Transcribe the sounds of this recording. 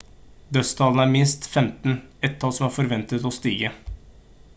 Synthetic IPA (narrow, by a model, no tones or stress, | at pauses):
d̪œst̪ʰɑːln̩æːɾmɪnst̪fɛmt̪n̩ɛt̪ʰːɑːsɔmæːɾfɔɾʋɛnt̪ət̪ɔst̪iːɡə